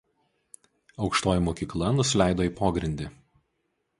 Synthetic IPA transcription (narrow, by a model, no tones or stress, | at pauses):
ɒʊkʃt̪oːjɪmoːkʲiːklˠɐnʊsʲɪlʲæˑɪd̪oːiːpoːɡɾʲɪnʲd̪ʲi